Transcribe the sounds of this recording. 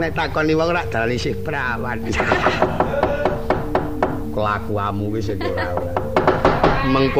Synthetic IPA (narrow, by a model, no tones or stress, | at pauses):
net̪akɔniwauɾaʔd̪̥aɾanisɪhpəɾawat̪̚a | kəlakuamuwisekiɾauɾaʔ | məŋk